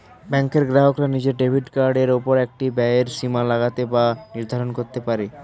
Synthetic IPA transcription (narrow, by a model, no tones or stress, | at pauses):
bɛŋkeɾɡɾaɦokɾanid͡ʑeɾɖebʱiɖkaɾɖeɾopoɾɛk̚ʈibɛeɾʃimalaɣat̪ebaniɾd̪ʱaɾonkoɾt̪epaɾe